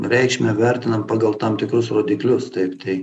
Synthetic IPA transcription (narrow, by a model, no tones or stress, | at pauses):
ɾʲɛɪkʃʲmʲɛʋʲɛɾʲt̪ʲɪnɐmpɑːɡɐlˠt̪ɐmt̪ʲɪkɾʊsɾoːd̪ʲiːklʲʊst̪ɐɪpt̪ɐɪ